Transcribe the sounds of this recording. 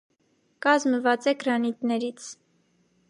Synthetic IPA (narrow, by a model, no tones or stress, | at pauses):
kɑzməvɑt͡sɛɡɾɑnit̪nɛɾit͡sʰ